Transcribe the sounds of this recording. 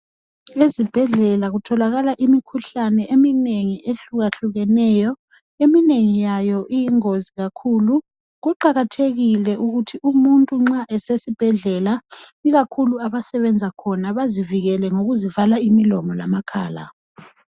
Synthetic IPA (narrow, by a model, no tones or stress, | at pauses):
ezib̥ʱɛɮɛlaɣutʰɔlaɣalaʔimikʰuɬanɛʔemineŋiʔeɬuɣaɬuɣɛnɛjɔ | emineŋijajɔʔijiŋoziɣakʰulu | ɣuǃaɣatʰeɣilɛʔuɣutʰiumuntʼuŋ͡ǁaʔɛsesib̥ʱɛɮɛlaiɣakʰuluaβasɛβɛnd͡zʱakʰɔnaβaziviɣɛlɛŋoɣuzivalaimilɔmɔla̰makʰaːla̰